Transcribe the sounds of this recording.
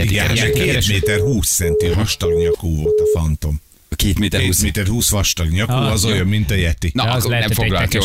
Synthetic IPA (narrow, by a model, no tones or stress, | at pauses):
iɡɛɛkeːt̪meːt̪ɛrɦuːsːɛnt̪iɦɒʃt̪ɒɡɲɒkoːvo̞lt̪ɒfɒnt̪o̞m | keːt̪meːt̪eːt̪meːt̪ɛrhuːsʋɒʃt̪ɒɡɲɒkoːɒzojomːint̪ɒjɛt̪innɛmfoɡlɒlt̪o